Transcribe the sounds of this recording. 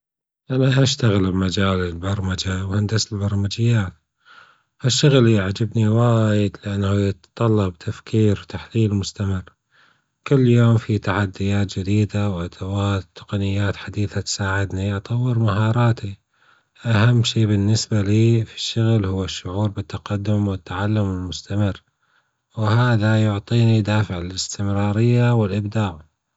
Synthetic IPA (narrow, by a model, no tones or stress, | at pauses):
ʔanaɦaʃt̪aɣalbmad͡ʒaːlɪlbɑɾˤmad͡ʒawhand̪asɪlbɑɾˤɑmad͡ʒɪjːaːt̪ | haʃːʊɣliʕad͡ʒɪbniwaːjɪd̪lɪʔanːhujɪt̪t̪ˤɑlːɑbt̪ʰafkʰiːɾwt̪aħliːlmʊst̪amɪrː | kɪlːjoːmfit̪aħad̪ːɪjaːt̪̚d͡ʒɪd̪iːd̪awʔad̪awaːt̪ːɪ̥qanɪjːaːt̪ħad̪iːθat̪saːʕɪd̪niʔɑt̪ˤɑwːɪɾmaɦɑːɾˤɑːt̪i | ʔʔahamːʃeːbɪnːɪsbaliːfi̥ʃːʊɣlhʊwːaʃːʊʕuːɾbɪt̪ːaqad̪ːʊmwɪt̪ːaʕalːʊmɪlmʊst̪amɪrː | wɪhaːðajʊʕt̪ˤiːnid̪aːfɪʕɪlɪst̪ɪmɾɑːɾɪjːawɪlʔɪbd̪aːʕ